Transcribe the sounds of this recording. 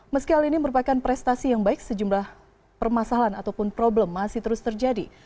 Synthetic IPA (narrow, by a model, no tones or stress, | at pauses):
məskiɦaliniməɾupakanpɾɛst̪asijaŋbaɪksəd͡ʒumlah | pərmasalanat̪awpʊnpɾoblɛmːasɪht̪əɾʊst̪ərd͡ʒadi